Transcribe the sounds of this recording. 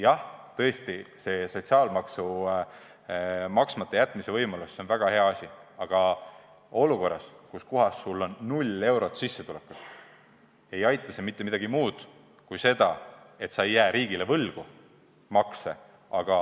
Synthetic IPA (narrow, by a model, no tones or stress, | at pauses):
jɑht̪ɤ̞est̪ise̞so̞t̪ʲsiɑːlmɑksu | mɑksmɑt̪ːˑejæt̪ːˑmise̞vɤjmɑluseo̞nvæɡ̥ɑhe̞ɑɑsʲiɑɡ̥ɑ | o̞luko̞rːɑskuskuɦɑsːulːo̞nːulʲe̞wɾo̞t̪sisːe̞t̪ulekːut̪ | e̞jɑjt̪ːˑɑsemit̪ːemid̪̥ɑɡ̥imuːd̪̥ | kujse̞d̪̥ɑe̞t̪sɑejːæːɾʔiːɡ̥ilevɤlɡ̥u | mɑksḛ | ɑɡ̥ɑ